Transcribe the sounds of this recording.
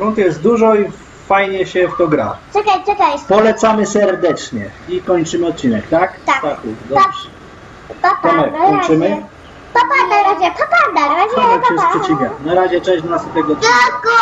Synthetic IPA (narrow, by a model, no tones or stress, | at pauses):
ɾunt̪jɛst̪̚d̪uʐɔi | fajɲɛɕɛft̪ɔɡɾa̰t͡ʂɨkajt͡ʂɨkajpɔlɛt̪samɘsɛɾd̪ɛt͡ʂɲɛikɔɲt͡ʂɘmɘɔt̪̚t͡ɕinɛkt̪akt̪akt̪akud̪ɔ | t̪ɔp̪ɔmɛaɔɲɘmɘ | t̪ɔpanaɾad͡ʑɛt̪ɔpad̪aɾasɔɛkɛspʂɛt͡ɕivʲjɛnaɾaʑɛt͡ʂɛ̃ʑd̪ɔnasd̪ɔt̪ɛɡɔɔt̪̚t͡ɕk